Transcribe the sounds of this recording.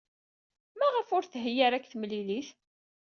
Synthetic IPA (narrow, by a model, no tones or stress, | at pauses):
mæʁəfʊɾθɦəjaɾækːθmliliθ